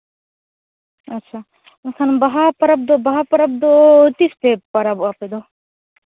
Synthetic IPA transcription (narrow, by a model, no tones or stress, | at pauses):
ɐtːʃʰa | kʰɐnbɐɦapɐɾɐb̚d̪obɐɦapɐɾɐb̚d̪ot̪ispepɐɾɐbaped̪o